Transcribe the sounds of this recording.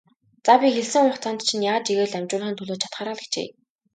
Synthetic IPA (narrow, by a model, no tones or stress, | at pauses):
t͡sapʲixeɮsɘ̆ŋʊχt͡sʰant̪t͡ɕʰĭnjaːt͡ɕiɣeːɮæmʲt͡ɕʊːɮχint̪ʰɵɮoːt͡ɕʰḁt̪χaːɾaːɮə̥̆kt͡ɕḛː